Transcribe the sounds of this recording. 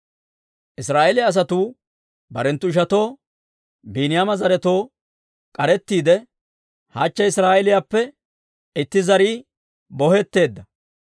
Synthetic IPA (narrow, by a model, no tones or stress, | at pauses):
ʔɪsɾaːʔɛlɪɐs̬ɐt̪uː | bɐɾɛnt̪ːʊɪʃ̬ɐt̪o̞ː | biːnɪjamɐzɐɾɛt̪o̞ː | kʼɐɾɛt̪ːiːd̪ɛ | hɐt͡ʃːɛɪsɾaːʔɛlɪjapːɛ | ɪt̪ːɪzɐɾiː | bɔhɛt̪ːe̞ːd̪ːɐ